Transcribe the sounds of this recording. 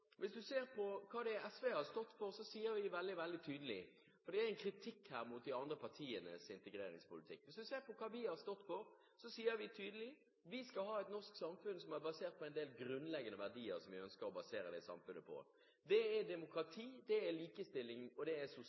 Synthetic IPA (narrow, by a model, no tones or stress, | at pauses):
ʋɪsd̪ʉseːɾpʰɔkʰɑːd̪ɛɛsʋehɑɾst̪ɔt̪ːfɔɾsɔsiːəɾʋɪʋɛld̪ɪʋɛld̪ɪt̪ʰyːd̪əlɪ | fɔɾd̪ɛæɛnkʰɾɪt̪ʰɪkhæːɾmut̪̚d̪ɪɑnd̪ɾəpʰɑʁt̪ʰiːənə̰sɪnt̪əɡɾḛːɾɪ̰ŋspʊlɪt̪ʰɪ̰kːʋɪsd̪ʉseːɾpɔkʰɑːʋɪhɑɾst̪ɔt̪ːfɔɾ | sɔsiːəɾʋɪt̪ʰyːd̪əlɪ | ʋɪskɑlɦɑːɛt̪nɔʁsksɑmfʉnsɔmæɾbɑseːɾt̪̚pʰɔɛɪnd̪eːlɡɾʉnlɛɡənəʋæʁɖiːə̰ɾsɔmʋɪœnskəɾɔbɑseːɾəd̪ɛsɑ̰mfʉnːəpʰɔ̰ | d̪ɛæd̪ɛmʊkɾɑt̪ʰiːd̪ɛæliːkəst̪ɪlːɪŋɔd̪ɛæsʊ